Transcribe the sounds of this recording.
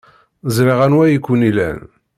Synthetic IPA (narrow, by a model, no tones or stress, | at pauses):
zɾiʁænwæjikʷːunilæ̰n